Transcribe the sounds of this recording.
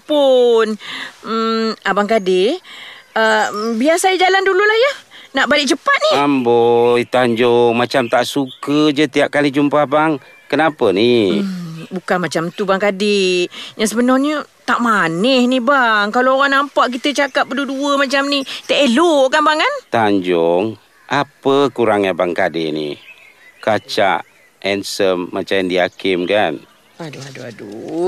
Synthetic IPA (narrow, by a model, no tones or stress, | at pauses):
pʊn̩ | abaŋkadɪ | əbiasaid͡ʒalandululahjəhnaʔbalɪʔ̚t͡ʃəpat̪̚niambɔit̪aɲd͡ʒoŋmat͡ʃamt̪aʔsukəd͡ʒət̪iap̚kalid͡ʒumpahbaŋ | kənapəni | bukanmat͡ʃamt̪ubaŋkadɪjaŋs̬əbənɔrɲət̪aʔmanɛhnibaŋkalooɣaŋnampaʔk̬it̪ət͡ʃakap̚bəduduəmat͡ʃamnit̪ɛʔeloʔkanbaŋant̪aɲd͡ʒʊŋ | ʔapəkuɾaŋjabaŋkadɪnḭ | kat͡ʃa̰ʔ | ɛnsəmːat͡ʃaɛndiakɪmkan | aduaduadu